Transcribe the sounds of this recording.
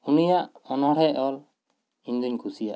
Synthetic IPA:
unijaʔɔnhɔɽɛʔɔl | iɲd̪uɲkʰusijaʔ

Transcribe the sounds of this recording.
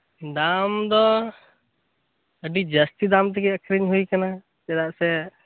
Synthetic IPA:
d̪amd̪ɔ | əɖid͡ʒəst̪id̪amt̪̬ɛkɛəkɾiɲɦujkana | t̪ɛd̪aʔsɛ

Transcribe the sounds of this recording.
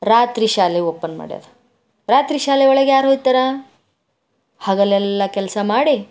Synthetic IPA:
ɾaːt̪ɾiɕaːleopːənma̰ɽja̰d̪a | ɾaːt̪ɾiɕaːleʋɐɭeɡejaːɾɦojt̪ːɐɾa | haɡɐlɛlːakɛlsamaɽi

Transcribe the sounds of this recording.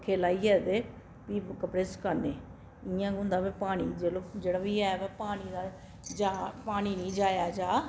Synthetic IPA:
kʰeːlaːiɛːd̪eː | piːkəpɾeːskəneː | ijãːkʊ̃ːnd̪aːbepaːɽ̃iːd͡ʒeːlod͡ʒeːɽabiːaːʋɛpaːɽ̃id̪aː | d͡ʒaːpaːɽ̃iːnĩːd͡ʒaːjaːd͡ʒaː

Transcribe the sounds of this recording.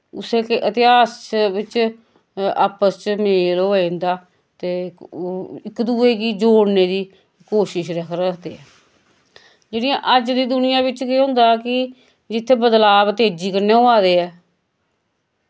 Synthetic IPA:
ʊseːkeʔət̪ɪɦaːsʋɪt͡ʃ | aːpəst͡ʃmeːloːẽnd̪aː | t̪eː | ɪkːd̪uːeːkiːd͡ʒoːɽneːd̪iː | koːʃɪʃɾəkʰɾəkʰd̪eːɛː | d͡ʒeːɽɪjãːʔəd͡ʒd̪iːd̪ʊnɪjãːbɪt͡ʃkeːɦʊ̃nd̪aːkɪ | d͡ʒɪt̪ʰːeːbəd̪laːbət̪eːd͡ʒiːkəɾneːoːaːd̪eːɛː

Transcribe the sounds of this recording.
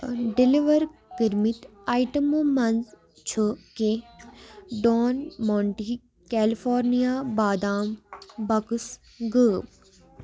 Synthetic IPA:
ɖɪliʋəɾɡiɾmit̪ | aːiʈəmomɐnz | t͡ʃʰəke | ɖoːnmɔːɳʈiː | kɛːlifʰoːɾnijaːbaːd̪aːmbɐkus | ɡəːb

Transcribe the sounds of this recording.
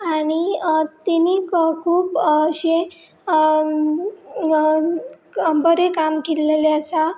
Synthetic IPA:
aɽ̃it̪inikkʰuːbɕe | bəɾekamkelleleəsa

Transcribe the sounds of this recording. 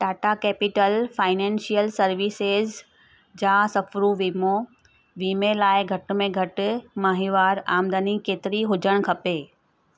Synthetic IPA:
ʈaːʈakeːpɪʈəlfaːɪnẽːnsijəlsɐɾʋisez | d͡ʑãːsɐfɾuʋiːmo | ʋiːmelaːɪɡʱɐʈ̆mẽɡʱɐʈʊ̆maːɦiʋaːɾaːmd̪ənikeːt̪ɪɾiɦʊd͡ʑʱəɽ̃kʰɐpeː

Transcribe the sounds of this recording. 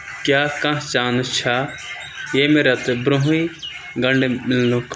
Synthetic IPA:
kjaːkãːɦt͡ʃaːnt͡ʃʰa | jeːmeɾɐt̪bɾõɦi | ɡɐɳɖemɪlnũkʰ

